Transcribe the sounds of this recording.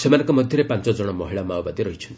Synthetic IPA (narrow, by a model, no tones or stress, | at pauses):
semanɔ̃ŋkɔmɔd̪ʱjɔɾepãnt͡ʃɔd͡ʒɔɽ̃ɔmɔɦiɭamawbad̪iɾɔɦit͡ʃʰɔnt̪i